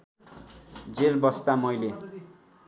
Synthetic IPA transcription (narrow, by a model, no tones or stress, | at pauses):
d͡zelbʌst̪amʌjle